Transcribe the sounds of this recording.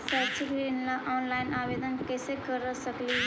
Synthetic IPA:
səɾt͡ʃikɾinlaʔɔːnlaɪnaʋed̪ənkɛsekəɾəsəkli

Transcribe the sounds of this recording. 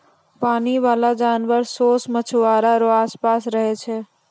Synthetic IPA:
paːniʋaːlad͡ʒaːnʋəɾsoːsmət͡ʃʰʋaːɾaɾoaːspaːsɾəɦet͡ʃʰeː

